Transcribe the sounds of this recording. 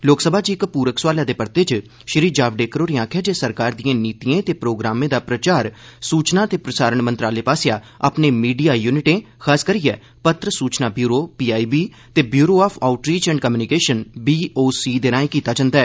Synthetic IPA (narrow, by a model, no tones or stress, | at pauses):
loːksəbʱaːd͡ʒiɪkpuːɾəkswaːljaːd̪eːpəɾt̪eːt͡ʃ | ʃɾiːd͡ʒaːʋɖeːkəɾoːɾeãːkʰaːd͡ʒeːsəɾkaːɾd̪ijãːniːt̪iẽːt̪eːpɾoːɡɾaːmẽːd̪aːpɾət͡ʃaːɾsuːt͡ʃnãːt̪eːpɾəsaːɾəɳmənt̪ɾaːleːpaːsejaː | a̰pnẽːmiːɖijaːjuːnɪʈẽː | kʰaːskəɾijɛː | pət̪ɾəsuːt͡ʃnaːbjuːɾoːpiːaːiːbiː | t̪eːbjuːɾoːaːpʰaːʊʈɾiːt͡ʃɛ̃ːɳɖkəmjuːnɪkeːʃənbiːoːsiːd̪eːnaːẽːkiːt̪aːd͡ʒãːnd̪aːɛː